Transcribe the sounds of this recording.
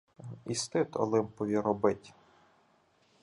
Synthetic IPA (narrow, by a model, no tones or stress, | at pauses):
ist̪ɪt̪ɔ̰lˠɪmpɔʋʲiɾɔbɪtʲ